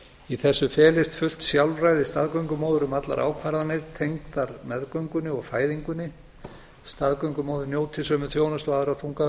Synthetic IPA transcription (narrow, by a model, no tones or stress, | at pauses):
iθɛsːʏfɛːlɪst̪fʏl̥t̪sjawlrajðɪst̪aðkœɥŋkʏmowðʏɾʏmat̪la̰ɾʔa̰ːwkʰvaɾðanɪɾt̪ʰejŋt̪aɾmɛðkœɥŋkʏnːɪɔɣfaːjðiŋkʏnːɪ | st̪aðkœɥŋkʏmoːwðʏɾnjoːwt̪ʰɪsœːmʏθjownʏst̪vaːðʏɾawθuŋka